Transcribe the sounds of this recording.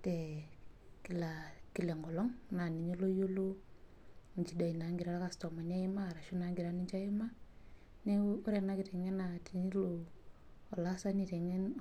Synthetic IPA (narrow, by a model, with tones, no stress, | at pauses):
tɛ˨ | ki˨la˨ki˨lɛ˨ŋɡɔ˨lɔ˦ŋna˨ni˨ɲi˦lo˦jo˦lo˦ | ɲt͡ʃi˨da˨i˨na˨˦ŋɡi˨ɾa˦ɾa˦ka˨stɔ˨ma˨ɲa˦i˦maː˦˨ɾa˨ʃu˦na˨˦ŋɡi˨ɾa˦ni˦ɲt͡ʃa˦i˦ma˦ | nɛ˦u˦ɾɛ˨na˦ki˨ɾɛ˨ŋɛ˦na˨ti˨ɲi˦lo˨ | ɔ˨la˦sa˦ni˨tɛ˨ŋɛ˦n